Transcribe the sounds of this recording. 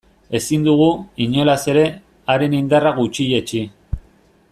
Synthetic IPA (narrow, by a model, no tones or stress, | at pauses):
e̞sind̪uɣ̞uiɲo̞lase̞ɾe̞ | aɾe̞nind̪araɣut͡ʃiʎe̞t͡ʃi